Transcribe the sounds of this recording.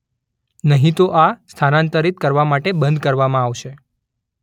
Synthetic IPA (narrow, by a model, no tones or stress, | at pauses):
nəɦĩt̪oʔast̪ʰanãnt̪əɾit̪̚kəɾʋamaʈebə̃nd̪kəɾʋamãaʋʃe